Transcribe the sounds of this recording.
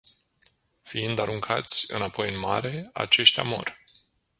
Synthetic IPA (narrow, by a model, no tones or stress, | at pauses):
fiind̪aɾuŋkʰa̰t̪sʲɨ̰napo̞jɨnmaɾe̞a̰t͡ʃe̞ʃt̪ʲa̰mo̞̰rʲ